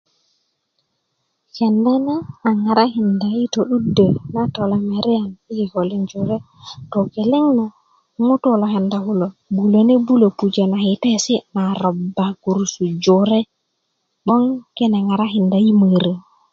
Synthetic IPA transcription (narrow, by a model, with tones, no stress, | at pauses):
ke˨nda˦ne˦a˨ŋa˨ɾa˦hi˨nda˨ji˦to˨ɗu˦də˨na˦to˨la˦me˨ɾi˦a˨ni˦i˨ho˨li˦nd͡ʒo˨ɾe˦ | to˨ke˨le˦ŋna˨ | mu˦to˦lo˨ɦe˨nda˨hu˦lo˨bu˨lo˨ne˦bu˦lo˨pu˨d͡ʒe˨na˨hi˨te˦si˦na˨ɾo˨bːa˨ɡu˨ɾsu˨d͡ʒo˨ɾe˦ | ɓo˦ŋke˦na˨ŋa˨ɾa˦ɦi˨nda˨ji˦mə˨ɾə˨